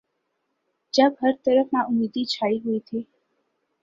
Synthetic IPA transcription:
d͡ʒãbʱəɾt̪əɾəfnãʔumed̪it͡ʃʰaiɦoit̪ʰi

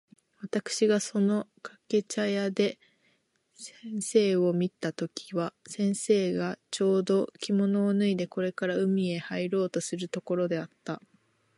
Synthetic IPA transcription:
βat̪akɯ̟̥ɕiɡaso̞no̞kake̞t͡ɕajad̪e̞ | sẽɰ̃se̞ːo̞mʲit̪at̪o̞kʲʰi̥βasẽ̞ɰ̃se̞ːɡat͡ɕo̞ːd̪o̞kʲimo̞no̞ːnɯ̟id̪e̞ko̞ɾe̞kaɾaɯ̟mʲie̞haiɾo̞ːt̪o̞sɨɾɯ̟t̪o̞ko̞ɾo̞d̪e̞at̪ːa

